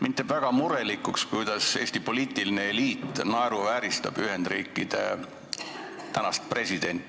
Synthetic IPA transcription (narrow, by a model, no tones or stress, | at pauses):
mit̪ˑːevæɡ̥ɑmuɾe̞likːˑukskujd̪̥ɑse̞ːsʲt̪ipo̞liːt̪ːˑilineeliːt̪ːˑnɑeɾuvæːɾist̪ɑ̰b̥yɦe̞nd̪̥ɾiːkːˑid̪̥e̞̰ | t̪ænɑst̪̚pre̞sid̪̥e̞nʲt̪ːˑ